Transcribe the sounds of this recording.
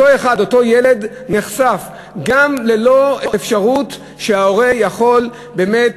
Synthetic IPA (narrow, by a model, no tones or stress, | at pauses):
oeχado̞to̞jeled̪ | neχsaf | ɡamlelo̞eefʃaʁut̪ | ʃeaoʁejaχo̞l | bemet